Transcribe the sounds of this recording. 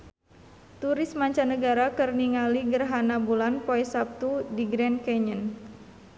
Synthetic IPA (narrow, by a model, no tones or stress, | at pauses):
t̪uɾɪsmaɲt͡ʃanəɡaɾakərniŋaliɡərɦanabulanpoɛsap̚t̪udiɡɾɛnkɛɲən